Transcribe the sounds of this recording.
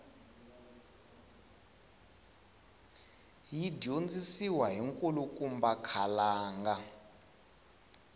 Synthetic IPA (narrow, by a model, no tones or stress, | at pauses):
jidond͡zisiwaɦiŋkʼulukʼumbakʰalaːŋɡa